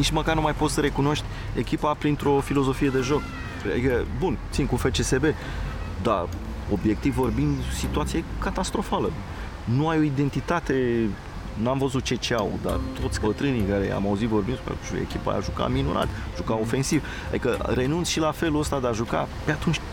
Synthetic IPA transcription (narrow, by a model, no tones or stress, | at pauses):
nit͡ʃməkarnumajpo̞t̪səɾe̞kuno̞ʃt̪ʲ | e̞kʲipapɾint̪ɾo̞filo̞zo̞fije̞d̪e̞ʒo̞k | a̰d̪ikəbunt̪sinkufe̞t͡ʃe̞se̞be̞ | d̪a̰ | o̞bje̞k̚t̪ivːo̞rbind̪sit̪uat̪sie̞kat̪ast̪ɾo̞falə | nuajo̞id̪e̞nt̪it̪at̪e̞ | namvəzut̪̚t͡ʃe̞t͡ʃeawd̪a̰rt̪o̞t̪sʲbət̪ɾɨnijkaɾe̞̰a̰mauzit̪vo̞rbind̪pḛḛkʲipa̰ja̰ʒuka̰minunɾa̰t̪ʲ | ʒ̥ukao̞fe̞nsiv | a̰d̪ikəɾe̞nunt̪sʃilafe̞luəst̪ad̪eaʒuka̰pe̞at̪unt͡ʃʲ